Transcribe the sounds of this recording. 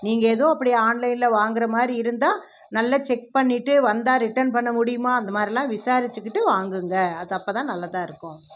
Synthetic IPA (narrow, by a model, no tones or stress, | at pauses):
niːŋɡɐeːðõːɐpːɐɽɪjaaːnlɐɪnɪlɐʋaːŋɡɪɾɐmaːd̪ɾiɪɾɯnd̪aː | nɐlːɐt͡ʃɛk̚pɐɳːɪʈːɯʋɐnd̪aːɾɪʈːɐɾnpɐɳːɐmʊɽɪjɯmaːɐnd̪ɐmaːd̪ɾilãːʋɪsaːɾɪt͡ʃ̪ːɯkːɪʈːɯʋaːŋɡɯŋɡɐɐðɐpːɐt̪ãːnɐlːɐt̪ãːɪɾɯkːʊ̃